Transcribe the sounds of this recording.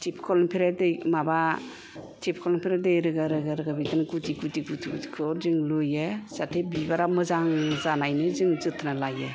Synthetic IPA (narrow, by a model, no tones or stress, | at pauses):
tʰipʰkʰɔlɔmpʰiɾadɯjmaba | tʰip̚ʰkʰɔlɔmpʰiɾadɯjɾɯɡaɾɯɡaɾɯɡabidanɡutiɡutiɡutʰitikʰɯɾzɯŋlojɯz̥atʰebibaɾamɯzaŋzanajnɯzɯŋzɯtʰnalaɡɯ